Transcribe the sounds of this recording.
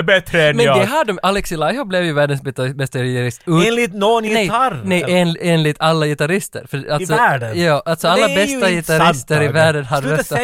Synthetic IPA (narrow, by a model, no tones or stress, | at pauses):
bɛt̪ɾɛmɛd̪ɛɦaɖɔmʔalɛksɪlajɦɔblɛvjʉvæːɖənsbɛst̪ajɪɪt̪aɾɪst̪ʉːnlɪt̪nɔnnɛjaɾnɛjeːneːnlɪt̪ʰalːajɪt̪aɾɪst̪ə̰ɾfœalsɔæɖjɑːʔalt̪sɔallːabɛst̪ajɪt̪aɾɪst̪əɾɪvæːɖənɦaɛt̪ː